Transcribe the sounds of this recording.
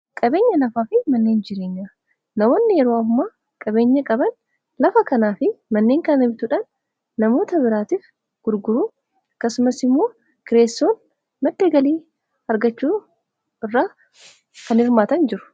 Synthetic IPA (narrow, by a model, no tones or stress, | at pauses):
kʼɐbe̞ːɲːɐnɐfaːfɪmɐnːe̞ːnd͡ʒɪɾe̞ːɲːa | nɐmoːnːɪjɛɾoɐɦʊmaː | kʼɐbe̞ːɲːɐkʼɐbɐn | lɐfɐkɐnaːfɪmɐnːe̞ːŋkɐnɪbɪt̪ʊᶑɐnː | ɐmo̞ːt̪ɐbɪɾaːt̪iːf | ɡ̥ʊɾɡʊɾuː | ɐkːɐsʊmɐsɪmːo̞ː | kɪɾe̞ːsːo̞ːn | mɐd̪ːeːɡɐliː | ɐɾɡɐt͡ʃːuː | ɪrːaː | kɐnɪɾmaːt̪ɐnd͡ʒɪɾʊ̥